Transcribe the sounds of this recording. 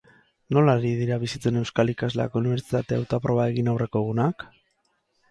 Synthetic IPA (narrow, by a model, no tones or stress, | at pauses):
no̞laɾið̞iɾaβisit͡s̪uene̞wskalikazlea̰ko̞uniβe̞ɾsit̪at̪e̞awt̪oapɾo̞βae̞ɣinawre̞ko̞ɣunak